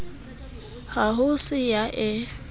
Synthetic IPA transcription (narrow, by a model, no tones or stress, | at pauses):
haɦʊsɪjaʔɛ